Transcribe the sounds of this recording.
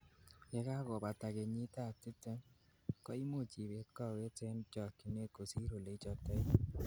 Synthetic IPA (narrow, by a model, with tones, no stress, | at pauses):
ɛ˦ka˦kɔ˨ba˨ta˨ke˨ɲi˦ta˦˨tɪ˦te˦ŋ | kɔ˦i˦mo˦˨t͡ʃi˨be˨˦kɔ˦˨we˦tɛ˦nd͡ʒɔ˦˨ki˨ne˦ko˨si˦ɾo˨le˨˦t͡ʃɔ˦tɛ˦